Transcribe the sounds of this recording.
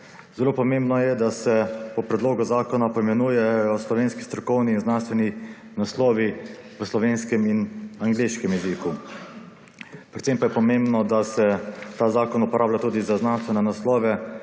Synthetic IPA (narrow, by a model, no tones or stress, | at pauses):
zɛloːpɔmẽmbnɔjɛd̪asɛpɔpɾɛd̪loːɡuzaːkɔnapɔimɛnuːjɛjɔslɔʋeːnski̥st̪ɾɔkɔwniːnznanst̪ʋɛni | naslɔːʋi | ʋəslɔʋeːnskɛminaŋɡleʃkɛmjɛziku | pɾɛt̪sempajɛpɔmembnɔd̪asɛt̪aːzaːkɔnupɔɾʔaːblat̪uːd̪izaznanst̪ʋɛnɛnaslɔːʋɛ